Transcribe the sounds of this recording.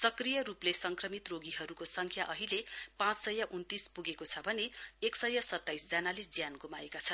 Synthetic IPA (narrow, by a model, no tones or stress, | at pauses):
sʌkrijʌɾuplesʌŋkrʌmit̪roɡiɦʌɾukosʌŋkʰjaʔʌɦilepãt͡ssʌjaʔunt̪ispuɡekot͡sʰʌbʱʌneeksʌjasʌt̪ːajsd͡zanaled͡zjanɡumaekat͡sʰʌn